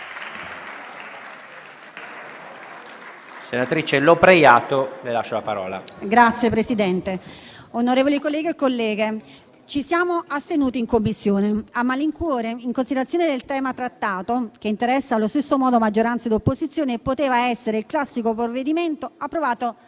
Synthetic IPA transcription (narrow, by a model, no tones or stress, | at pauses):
senat̪ɾit͡ʃelopɾejaːt̪olelaʃːolapaɾɔ̰ːla̰ɡɾat̪sːjepɾesid̪ɛnt̪eonoɾeːvolikolːɛːɡeekːolːɛːɡe | t͡ʃisjaːmoast̪enuːt̪iːŋkomːisːjoːneamːaliŋkwoːɾeiŋkonsid̪eɾat̪joːned̪elt̪ɛːmat̪ɾat̪ːaːt̪ok̟eint̪eɾɛsːaːlːost̪esːomɔːd̪omad͡ʒːoɾant̪sad̪opːozit̪sːjoːneːpːot̪eːvaɛsːeɾeilklasːikopɾoved̪iment̪oapːɾovaːt̪o